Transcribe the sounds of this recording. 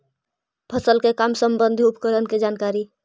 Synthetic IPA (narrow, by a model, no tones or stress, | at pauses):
pʰəsəlkekamsəmbənd̪ʱiupkəɾənked͡ʒankaɾi